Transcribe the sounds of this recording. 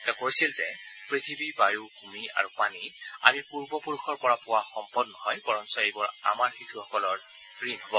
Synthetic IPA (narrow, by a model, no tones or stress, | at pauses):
ɛtakoɹisilzɛ | pɹit̪ʰibibajuɡʱumia̰ɹupania̰miɹpuɹbɔpuɹuxʰɔɹpɔɹapʊwaxɔmpɔdnɔhɔjbɔɹɔnsɔejbɔɹa̰maɹxitʰuxɔkɔlɔɹ | ɹiŋɦɔbɔ